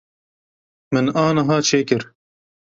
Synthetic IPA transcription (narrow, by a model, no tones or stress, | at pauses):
mɨnɑːnɐɦɑːt͡ʃʰeːkɨɾ